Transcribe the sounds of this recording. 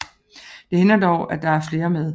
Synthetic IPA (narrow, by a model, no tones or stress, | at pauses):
d̥e̝henɐd̥ɒʊʔæd̥ɑ̈æɐfle̝ːɐmeðˠ